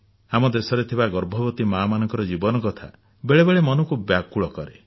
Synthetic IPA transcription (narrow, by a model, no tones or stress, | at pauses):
amɔd̪esɔɾet̪ʰibaɡɔɾbʱɔbɔt̪imaːmanɔŋkɔɾɔd͡ʒibɔnɔkɔt̪ʰa̰ | beɭebeɭemɔnɔkubjakuɭɔkɔɾe